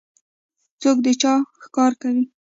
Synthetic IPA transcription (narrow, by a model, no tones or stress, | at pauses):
t͡sokd̪ət͡ʃɑxkɑɾkawi